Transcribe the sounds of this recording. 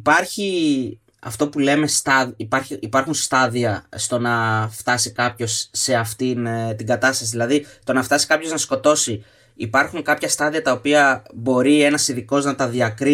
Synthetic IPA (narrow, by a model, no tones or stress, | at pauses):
pɐɾçi | ɐ̰ft̪o̞pule̞me̞st̪ɐipɐɾçiipɐɾxunst̪ɐðiɐst̪o̞nɐft̪ɐsikɐpço̞sːe̞ɐft̪int̪iŋɡɐt̪ɐst̪ɐsiðilɐðist̪o̞nɐft̪ɐsi̥kɐpço̞znɐsko̞t̪o̞si | ipɐɾxuŋkɐpçɐst̪ɐðiɐt̪ɐo̞piɐbo̞ɾie̞nɐsiðiko̞znɐt̪ɐðiɐkɾi